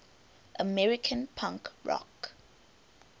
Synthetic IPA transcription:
ʔəmɛɹikʰə̃npʰãŋkɹɔ̰k

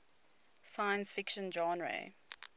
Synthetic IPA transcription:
sajə̃nsfɪkʃə̃nd͡ʒɔ̃nɹḛ

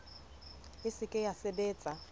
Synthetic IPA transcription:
ɪsɪkʼɪjasɪbeːt͡sʼa

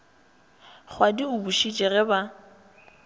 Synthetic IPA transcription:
χwadiʊbuʃit͡ʃʼɛɣɛba

